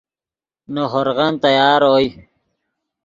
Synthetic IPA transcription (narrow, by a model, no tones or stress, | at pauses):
noɦoɾɣɑnt̪ɐjaːɾoːj